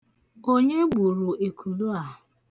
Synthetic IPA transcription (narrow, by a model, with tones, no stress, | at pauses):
o˦ɲe˦ɡ͡bu˨ɾu˨ʔe˨kʰu˨lu˦a˨